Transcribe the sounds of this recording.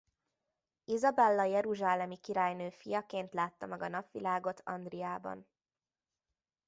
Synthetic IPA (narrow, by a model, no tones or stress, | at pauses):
izɒbɛlːɒjɛɾuʒaːlɛmikiɾaːjnøːfijɒkeːnt̪laːt̪ːɒmɛɡɒnɒpʋilaːɡo̞t̪ʰɒ̰nd̪rijaːbɒ̰n